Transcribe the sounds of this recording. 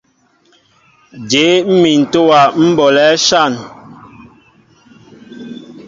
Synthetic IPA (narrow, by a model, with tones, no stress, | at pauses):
d͡ʒe˨˦m̩˦mi˨n̩˨to˦wa˨m̩˦bɔ˨lɛ˦ʃa˦˨n